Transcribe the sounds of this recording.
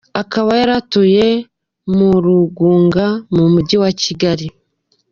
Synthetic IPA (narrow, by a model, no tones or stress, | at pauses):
akaβajaɾatuje̞ | muɾuɡuːŋɡamumuɟiwaciɡaɾi